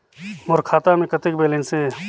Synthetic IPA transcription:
mʊɾkʰaːt̪amẽkət̪ɪkbeːlẽnse

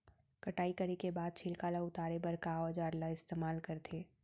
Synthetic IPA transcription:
kɐʈaːikɐɾekebaːd̪̚t͡ʃʰɪːlkaːlaʊt̪aːɾebɐɾkad͡ʒaːɾlaɪst̪eːmaːlkɐɾt̪ʰeː

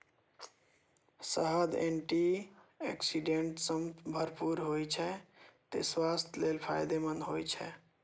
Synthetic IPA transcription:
səɦəd̪ḛɳʈiḛksiɖeɳʈsəmbʱəɾpuɾɦojt͡ʃʰɛt̪ḛswast̪ʰjlelpʰa̰jd̪emənɦojt͡ʃʰɛ̰

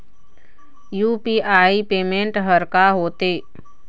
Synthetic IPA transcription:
juːpiʔaːipeːmẽɳʈɦəɾkaɦoːt̪eː

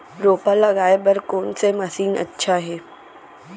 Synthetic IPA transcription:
ɾoːpalɐɡaːebɐɾkoːnsemɐsiːnɐ̰tːʃʰaɦeː

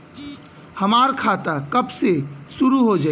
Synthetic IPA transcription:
hɐmaːɾkʰaːt̪akɐbsesʊɾuɦod͡ʒaː

